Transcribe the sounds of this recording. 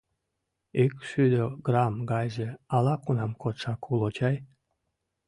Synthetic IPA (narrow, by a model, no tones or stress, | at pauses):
ykʃyd̪oɡrɑmɡɑjʒĕɑlɑkunɑmkot̪ʂɑkʰulˠot͡ɕɑj